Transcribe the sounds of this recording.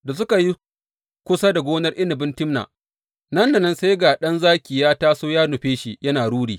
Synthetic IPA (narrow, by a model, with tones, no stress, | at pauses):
da˨s̬ʊ˦ka˨ji˦ | kʷʊ˦sa˦da˨ɡʷoː˦nɐ˦rʔɪ˦nɪ˨bɪ˦ntɪ˦mna̰ː˨ | nɐ˦nda˨nɐ˦nse˦jɡa˨ɗɐ˦nzaː˦kʲi˨jaː˦taː˦soː˦jaː˦nʊ˨ɸeː˦ʃi˨jɐ˦naː˨ɽuː˦ɽiː˨